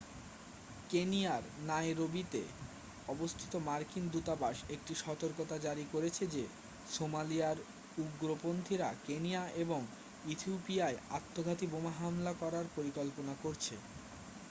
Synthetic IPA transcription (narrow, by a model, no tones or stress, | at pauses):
kenijaɾnaeɾobit̪ḛ | ɔbost̪ʰi̥t̪omaɾkind̪ut̪abaʃek̚ʈiʃɔt̪oɾkot̪ad͡ʑaɾikoɾet͡ɕʰed͡ʑe | somaliaɾ | uɡɾopond̪ʰʱiɾakenijaeboŋ | ut̪ʰiupiaeat̪ːoɡʱat̪ibomaɦamlakɔɾaɾpoɾikɔlponakoɾt͡ɕʰe